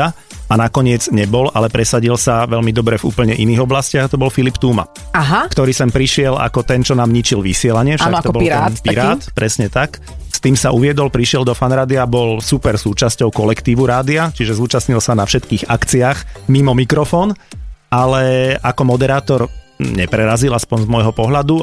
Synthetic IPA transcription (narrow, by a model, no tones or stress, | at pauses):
a | anakɔɲɪɛd͡zɲɛbɔlalɛpɾɛsaɟilsaʋɛlmid̪ɔbɾɛvṵːpl̩ɲɛʔiniːɣɔblascɪaɣat̪ɔbɔlfilipt̪uːma̰ | aɦakt̪ɔɾiːsɛmpɾiʃɪɛla̰kɔt̪ɛnt͡ʃɔnaːmɲit͡ʃilʋisɪɛlaɲɪɛfʃakt̪ɔbɔɾaɛpɾaːt̪pɾɛsɲɛt̪ak | st̪iːmsauʋɪɛd̪ɔlpɾiʃɪɛld̪ɔfanɾaːd̪iabɔlsupɛɾsuːt͡ʃascɔʊkɔlɛkt̪iːʋuɾaːd̪iat͡ʃiʒɛzuːt͡ʃasɲilsanafʃɛt̪kiːɣakt͡siaxmimɔmikɾɔfɔːnalɛʔakɔmɔd̪ɛɾaːt̪ɔɾ | ɲɛpɾɛɾazilˠaspɔnzmɔjɦɔpɔɦʎad̪u